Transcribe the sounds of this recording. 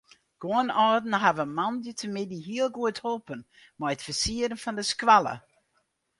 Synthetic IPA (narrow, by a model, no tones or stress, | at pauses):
ɡ̥oənɔrdn̩ɦavəmɑndjətʰəmɪdiɦiəlˠɡuətholˠpən | mɛjətfəsiəɾənfɔndəskʋalə̰